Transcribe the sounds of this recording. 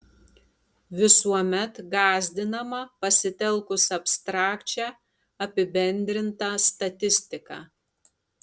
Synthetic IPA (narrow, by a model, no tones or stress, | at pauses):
ʋʲɪsuɔmʲɛt̪ɡɑːzʲd̪ʲɪnɐmɐpɐsʲɪt̪ʲɛlˠkʊsɐpst̪ɾɑːkt͡ʃʲæː | ɐpʲɪbʲɛnʲd̪ʲɾʲɪnt̪ɐst̪ɐt̪ʲɪsʲt̪ʲɪkɑː